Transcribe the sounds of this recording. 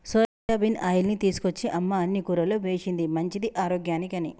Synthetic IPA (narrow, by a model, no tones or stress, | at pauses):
soːɐɐbinaːjulnit̪iːsu̥kot͡ʃːiʔɐmːaɐnːikuːɾɐloːʋe̞ːt͡ʃind̪imɐɲt͡ʃid̪iʔaːɾoːɡjaːnikɐni